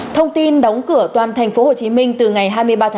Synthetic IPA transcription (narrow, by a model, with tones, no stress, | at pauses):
t̪ʰə˧wŋ͡mt̪i˧nɗɔ˨˦wŋ͡mkɨ˧˩ət̪waː˨˩nt̪ʰŋ̟fo˨˦ho˨˩t͡ɕi˨˦mï˧ŋ̟t̪ɨ˨˩ŋa˨˩jɦaː˧jmɨ˧əjɓaː˧t̪ʰː